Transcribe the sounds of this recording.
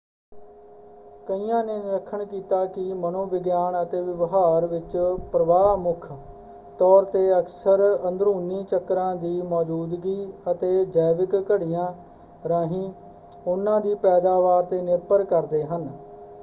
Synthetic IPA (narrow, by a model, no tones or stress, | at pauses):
kəiːjãːneːɾəkʰːəɳkiːt̪aːkɪmənõːʋɪɡjaːɳət̪eːʋɪʋɦaːɾʋɪt͡ʃpɾəʋaːmʊkʰ | t̪ɔːɾt̪eːəksəɾənd̪ɾuːniːt͡ʃəkːɾãːd̪iːmɔːd͡ʒuːd̪ɡiːət̪eːd͡ʒəːʋɪkːəɽijãː | ɾãːɦĩː | ʊnːãːd̪iːpɛːd̪aːʋaːɾt̪eːnɪɾpəɾkəɾd̪eːɦən